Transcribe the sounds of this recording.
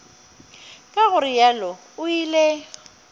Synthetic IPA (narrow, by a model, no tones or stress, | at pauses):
kʼaɣʊrɪjalɔ | ʊile